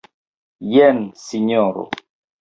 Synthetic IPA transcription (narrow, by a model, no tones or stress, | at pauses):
jɛnsiɲɔɾo̰